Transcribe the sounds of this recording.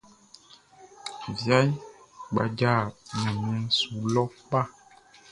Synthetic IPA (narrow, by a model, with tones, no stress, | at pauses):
vja˦jɡ͡ba̰˨d͡ʒa˦˨ɲã˨mĩ˨ɛ̃˦nsu˨lɔ˦k͡pa˦˨